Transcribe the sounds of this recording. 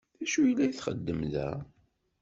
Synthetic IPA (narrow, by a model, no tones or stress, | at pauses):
θæʃujlːæjiθχə̰d̪ːəmðæ̰